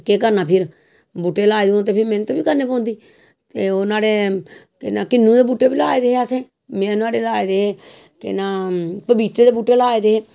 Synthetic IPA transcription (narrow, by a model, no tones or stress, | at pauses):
keːkəɾnaːpʰɪɾ | buːʈːeːlaːed̪eõːt̪̬eːpʰɪɾmɛ̃ːnũːt̪õːʋiːkəɾneːpɔ̃ːnd̪iː | t̪eːoːnaːɽeː | kɪnaːkɪnːũːd̪eːbuːʈːeːbiːlaːeːd̪eːɦeəsẽː | mɛ̃ːnaːɽeːlaːeːd̪eːɦeː | kɪ̰naːpəbiːt̪ɾeːd̪eːbuːʈːeːlaːeːd̪eːɦeː